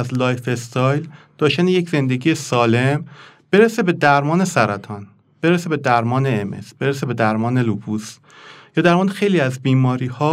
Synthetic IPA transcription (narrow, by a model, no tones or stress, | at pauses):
æzlɒːjfest̪ʰɒːjld̪̥ɒːʃt̪ænejecʰze̞nd̪eɡiːjesɒːle̞m | b̥e̞ɾese̞be̞d̪æɾmɒːne̞sæɾæt̪ʰɒːn | b̥e̞ɾese̞be̞d̪æɾmɒːne̞emḛsb̥e̞ɾese̞be̞d̪æɾmɒːnelubus | jɒːd̪æɾmɒːd̪exe̞jliːæzbiːmɒːɾiːhɒː